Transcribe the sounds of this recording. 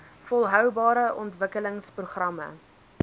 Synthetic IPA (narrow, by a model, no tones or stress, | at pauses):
fɔlˠɦœwbɑːɾəʔɔntvəkələŋspruχrɐmə̰